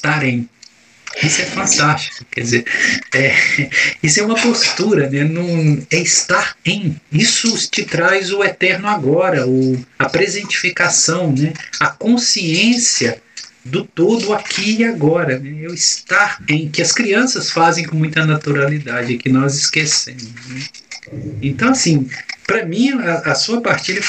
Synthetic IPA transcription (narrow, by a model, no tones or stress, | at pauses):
st̪aɾẽj̃ | isʊɛfɐ̃nt̪ast͡ʃi̥kʊkɛd͡ʒɪzeɾɛ | isʊɛũmɐpost̪uɾɐnɛnɐ̃w̃ɛist̪aɾẽj̃isʊt͡ʃɪt̪ɾajzʊɛt̪ɛɾnʊaɡɔɾɐʊɐpɾezẽnt͡ʃi̥fikasɐ̃w̃nɛɐkõsiẽsiɐd̪ʊt̪od̪ʊakʰiiaɡɔɾɐnɛɛʊɪst̪aɾẽj̃kɪɐskɾiɐ̃sɐsfazẽj̃kõmũj̃t̪ɐnat̪uɾalid̪ad͡ʒɪɪkɪnɔzɪskesẽmʊsnɛ | ẽnt̪ɐ̃w̃asĩpɾɐmĩaːsuɐpaɾt͡ʃelɪ